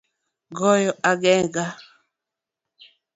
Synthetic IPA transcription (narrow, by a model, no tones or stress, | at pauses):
ɡɔjɔʔaɡɛɡa